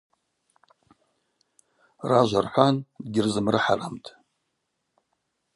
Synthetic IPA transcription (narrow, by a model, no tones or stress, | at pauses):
raʒʷarħʷandɡʲɪrzɨmrɨħalamtʼ